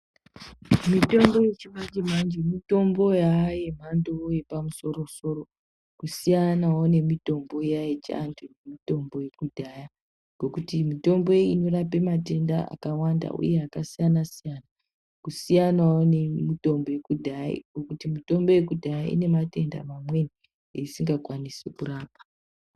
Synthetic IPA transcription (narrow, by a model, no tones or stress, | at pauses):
mito̞mbo̞je̞t͡ʃimand͡ʒemand͡ʒemito̞mbo̞jaːje̞m̤andooje̞pamuso̞ɾo̞so̞ɾo̞ | kusijanawone̞mito̞mbo̞jajet͡ʃantʰunemito̞mbo̞je̞kudʱaja | ŋɡ̥okutimito̞mbo̞ino̞rape̞mate̞nda̰a̰kawanda̰ʔṵje̞akasijanasijana | kusijanawonemito̞mbo̞je̞kudʱaḭɡ̥okutimito̞mbo̞je̞kudʱajaʔḭne̞mate̞nda̰mamwe̞ni | eisiŋɡakwanisekuraːpḁ